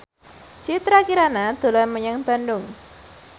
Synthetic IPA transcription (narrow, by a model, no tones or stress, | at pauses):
d͡ʒit̪ɾakiɾanad̪̥o̤laməɲaŋb̥a̤ndʊŋ